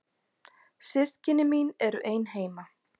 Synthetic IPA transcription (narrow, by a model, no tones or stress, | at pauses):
sɪst̪cɪnːɪminɛɾʏʔeːjnɦeːjma